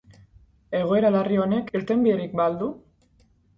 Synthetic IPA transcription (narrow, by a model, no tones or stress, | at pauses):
e̞ɣ̞o̞e̞ɾalario̞ne̞kiɾt̪e̞mbierik̚bald̪u